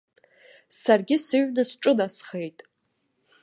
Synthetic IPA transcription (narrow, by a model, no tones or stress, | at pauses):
sarɡʲɪsɨɥdɨsʈ͡ʂʼɨnasχejtʼ